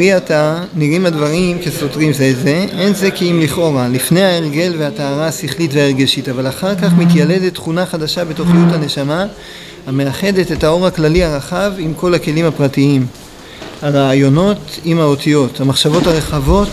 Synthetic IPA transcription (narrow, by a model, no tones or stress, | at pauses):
iata | niʁimadvaʁimkeso̞t̪ʁimzeze̞ʔe̞nze̞kiimliχo̞ʁalifne̞jaeʁɡe̞lveataːʁaasiχlitveaeʁɡe̞ʃitavalaχaʁkaχmitjale̞d̪etːχunaχadaʃabe̞to̞χijuthane̞ʃama | hame̞aχe̞d̪e̞te̞tao̞ʁaklaliaʁaχavimko̞lake̞limhapʁatiim | haʁaːjo̞no̞timao̞t̪ijo̞thamaχʃavo̞thaʁe̞χavo̞t